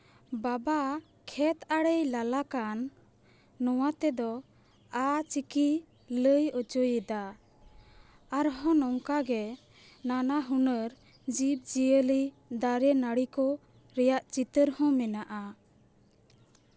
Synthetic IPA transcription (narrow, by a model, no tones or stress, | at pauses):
baba | kʰɛt̪aɽəjlalakanː | ɔwat̪ɛd̪ɔ | at͡ʃiki | ləjət͡ʃojɛd̪a | aɾɦɔ̃nɔŋkaɡɛ | nanaɦunəɾ | d͡ʒip̚d͡ʒijəli | d̪aɾɛnaɽikɔ | ɾɛjaʔt͡ʃit̪əɾhɔ̃mɛnaʔa